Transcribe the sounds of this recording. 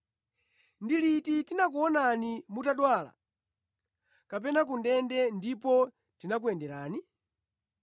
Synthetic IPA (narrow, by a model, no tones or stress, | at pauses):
ndilititinak̬uɔnanimutaɗwaːla̰ | kap̬ɛnak̬undɛndɛndipɔ | tinak̬uɛndɛɾaːni